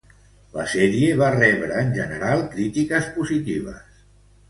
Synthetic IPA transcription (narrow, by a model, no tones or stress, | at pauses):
lə̰sɛɾieβarɛβɾəːnʲʒənəɾalˠkɾit̪ikəspuzit̪iβ̞ə̰s